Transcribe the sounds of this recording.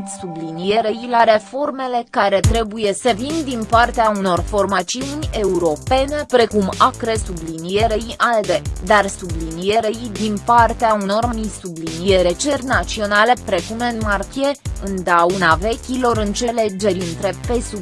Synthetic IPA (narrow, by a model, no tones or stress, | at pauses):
sublinije̞ɾeilaɾe̞fo̞rme̞le̞kaɾe̞t̪ɾe̞buje̞səvind̪inpart̪eauno̞rfo̞rmat̪siunʲe̞uɾo̞pe̞ne̞pɾe̞kumakɾe̞sublinije̞ɾeiʔald̪e̞d̪arsublinije̞ɾeid̪inpart̪eauno̞rmmisublinije̞ɾe̞t͡ʃe̞rʲnat̪sio̞nale̞pɾe̞kumenmarkʲije̞ɨnd̪aunave̞kʲilo̞ɾɨnt͡ʃe̞le̞d͡ʒe̞ɾiɨnt̪ɾe̞pe̞su